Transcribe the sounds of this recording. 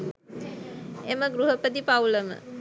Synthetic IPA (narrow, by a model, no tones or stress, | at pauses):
eməɡɾuɦəpəd̪ipawləmə̰